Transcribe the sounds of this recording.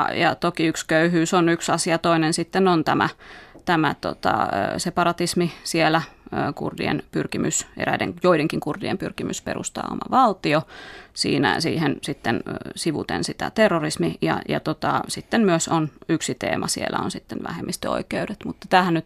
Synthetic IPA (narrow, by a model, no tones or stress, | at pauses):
jɑt̪okiykskøyhyːsonyksɑsiɑt̪oinensit̪ːenont̪æmæ̰t̪æmæt̪o̰t̪ɑ̰ːsepɑɾɑt̪ismisielæːkṵrdḭḛnpyrkimʔysḛɾæidḛŋjoideŋkiŋkurdiempyrkimysperṵst̪ɑ̰ːo̰mɑ̰ʋɑlt̪iosḭːnæ̰siːhensit̪ːensiʋṵt̪ḛnsit̪æ̰t̪erːorismijɑ̰jɑt̪ot̪ɑsit̪ːemmyøsonyksit̪ḛːmʔɑsielʔæ̰o̰nsit̪ːenʋæ̰hemʔist̪eo̰ikeudet̪mut̪ːɑ̥t̪æːhænnyt̪